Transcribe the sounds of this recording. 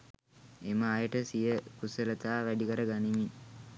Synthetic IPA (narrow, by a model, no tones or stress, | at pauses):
eməːjəʈəsijəkusələt̪aːʋæɖikəɾəɡanimi